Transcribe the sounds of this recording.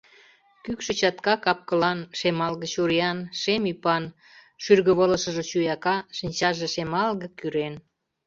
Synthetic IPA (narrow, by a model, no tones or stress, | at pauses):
kykʃĕt͡ɕɑt̪kɑkɑp̚kə̆lɑnʃemɑlɣə̆t͡ɕuɾijɑnʃemypɑn | ʃyrɣəβolə̆ʃə̆ʒŏt͡ɕujɑkɑʃənʲt͡ɕɑʒĕʃemɑlɣə̆kyɾen